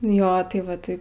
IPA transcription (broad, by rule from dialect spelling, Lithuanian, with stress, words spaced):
joː tɐɪ ˈʋɐ tɐɪ